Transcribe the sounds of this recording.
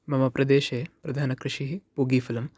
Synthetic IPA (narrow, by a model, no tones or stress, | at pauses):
mɐmɐpɾʔɐd̪eːʃeːpɾɐd̪ʱaːnɐkɾɪʂiɦipuːɡiːfilɐm